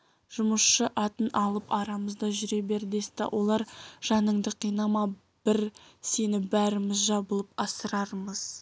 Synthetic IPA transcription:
ʒ̥ʊməsʃəʔɑt̪ənʔɑlˠəpɑɾɑməzd̪ɑʒʏɾe̞be̞ɾd̪est̪ɪ̰wʔo̞lˠɑɾʒ̥ɑnəɴd̪əqʰijnɑmɑ | b̥ɪɾse̞nɪbæɾɪmɪzʒɑbəlˠəpɑsəɾɑɾməz̥

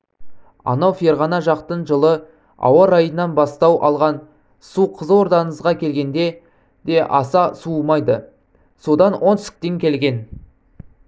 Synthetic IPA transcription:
ɑ̰nɑwfieɾʁɑnɑʒɑqt̪ənʒəlˠə | ɑ̰wɑɾɑjənːɑnbɑst̪ɑwʔɑ̰lˠʁɑn | suqʰəzwo̞ɾd̪ɑnəzʁɑkʲʰe̞lɡʲe̞nd̪e̞ | d̪̥e̞ʔɑsɑsumɑjd̪ə | so̞d̪ɑnwʔo̞nt̪sɪ̥k̚t̪eŋkʲʰe̞lɡʲe̞n

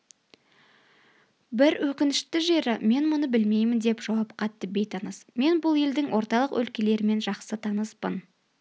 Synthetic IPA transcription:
bɪɾwɵkʲɪnɪʃt̪ɪʒe̞ɾɪme̞nmʊnəbɪlme̞jmɪnd̪e̞pʒ̥ɑwɑpqʰɑt̪ːəbe̞jt̪ʰɑnəsme̞nbʊlˠe̞ld̪ɪŋwʔo̞ɾt̪ɑlˠəqwʔɵ̰lkʲe̞le̞ɾɪme̞nʒɑqsət̪ʰɑnəspən

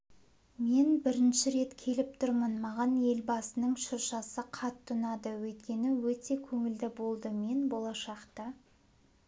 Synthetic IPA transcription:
me̞nbɪɾɪnʃɪɾe̞t̪kʲʰe̞lɪp̚t̪ʰʊɾmənmɑʁɑne̞lbɑsənəɴʃʊɾʃɑsəqʰɑt̪ʰːʊnɑd̪əwɵt̪kʲe̞nɪwɵt̪e̞kʲʰɵŋɪld̪ɪbo̞lˠd̪əme̞nbolˠɑʃɑqt̪ɑ

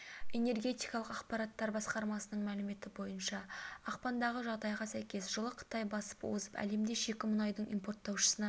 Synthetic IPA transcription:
e̞ne̞rɡʲe̞t̪ijkɑlˠəqɑqpɑɾɑt̪ːɑɾbɑsqɑɾmɑsənəɴmælɪme̞t̪ɪbo̞jənʃɑːqpɑnd̪ɑʁəʒɑʁd̪ɑjʁɑsæjkʲe̞sʒəlˠəqʰə̥t̪ɑjbɑsə̥pwozəpæ̰le̞md̪e̞ʃe̞kʲɪmʊnɑjd̪əɴimpo̞rt̪ːɑwʃə̥sənɑ

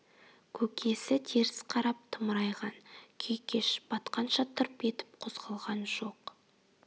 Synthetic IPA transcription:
kʲʰɵkʲʰe̞sɪt̪ʰeɾɪsqʰɑɾɑp̚t̪ʰəmɾɑjʁɑnkʲʰejkʲe̞ʃb̥ɑt̪qɑnʃɑt̪ʰəɾpe̞t̪ɪ̥p̚qʰozʁɑlˠʁɑnʒo̞q

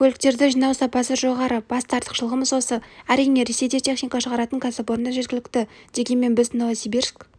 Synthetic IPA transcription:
kʲʰɵlɪk̚t̪e̞ɾd̪ɪʒijnɑwsɑpɑsəʒo̞ʁɑɾəb̥ɑst̪ʰɑɾt̪ə̥qʃəlˠəʁəməzwo̞səæɾijne̞ɾe̞se̞jt̪e̞t̪ʲʰe̞χnijkɑʃəʁɑɾɑt̪əŋkʲʰasɪpwo̞ɾənd̪ɑʒe̞t̪̚kʲɪlɪk̚t̪ɪd̪̥e̞ɡʲe̞nme̞nbɪznɑwɑsebeɾsɪk

